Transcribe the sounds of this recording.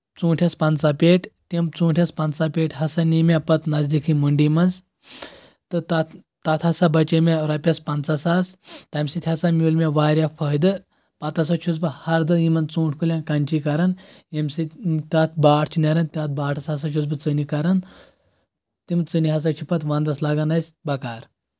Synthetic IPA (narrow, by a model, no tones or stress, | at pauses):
t͡sũːʈʰʲaspant͡sapeʈt̪emt͡suːʈʰʲjaspɐnt͡sapʲeʈʰɦɐsanimʲapɐt̪nazd̪ikʰimuɳɖimɐnd͡z | t̪ɨt̪a | t̪at̪ʰɐsabɐt͡ʃemʲaɾapʲaspant͡sasast̪amsit̪ʰʲasamʲulmʲaʋaːɾʲjafʰəjd̪ɨ | pɐt̪ɐsat͡ʃʰut͡sbɐhɐɾd̪ɐjimɐnt͡suːʈʰʲkulʲãnkant͡ʃikɐɾɐnemsit̪ʲat̪̚ʰbaːʈʰt͡ʃʰinɐɾɐnt̪ʲat̪̚baːʈʰɐsɐs̬at͡ʃʰut͡sbɐt͡sənikaɾɐn | t̪imɨt͡səniɦɐs̬at͡ʃʰipɐt̪ʋãnd̪ɐslaɡanasbɐkaɾ